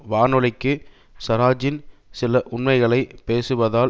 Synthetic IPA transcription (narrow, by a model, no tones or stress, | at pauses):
ʋaːnɯlɪkːɯ | sɐɾaːd͡ʒɪnsɪlɐʔʊɳmɐɪɣɐɭɐɪpeːsɯʋɐðaːl